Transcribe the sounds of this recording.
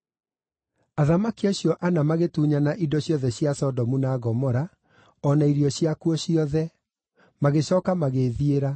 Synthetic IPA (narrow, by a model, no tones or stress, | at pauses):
aðamakiaɕjɔʔanamaɣetuːɲanaʔidɔɕjɔðɛɕiasɔdɔmunaɣɔmɔɾa | ɔnaiɾiɔɕiakuɔɕiɔðɛ | maɣeɕɔːkamaɣeðieɾa